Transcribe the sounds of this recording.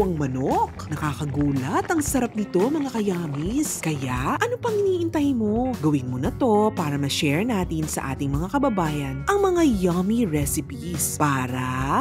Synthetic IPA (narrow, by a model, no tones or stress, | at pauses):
ɐŋmɐnoknɐkaːkɐɡuːlɐt̪ʔɐŋsɐɾap̚nɪt̪o̞ŋmɐŋakɐjaːmiskɐjaʔɐnopɐŋʔɪniːʔɪnt̪ɐjmo̞ɡɐwɪnmonɐt̪o̞paːɾɐmɐʃɛɹnaːt̪ɪnsɐ̰ʔa̰ːt̪ɪŋmɐŋakɐbɐbaːjɐnʔɐŋmɐŋajaːmiɹɛsɪpispaːɾɐ